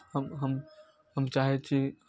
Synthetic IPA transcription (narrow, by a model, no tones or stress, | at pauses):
həmɦəm | ɦəmt͡ʃaɦɛtt͡ʃʰi